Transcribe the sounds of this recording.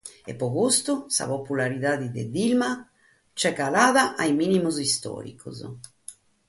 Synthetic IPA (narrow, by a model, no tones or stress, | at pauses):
ɛ̰pːɔɣust̪usa̰populaɾiðaðid̪ḛd̪ilma | t͡ʃɛkːalaːðaʔajminimuzist̪ɔ̰ːɾḭkʰṵz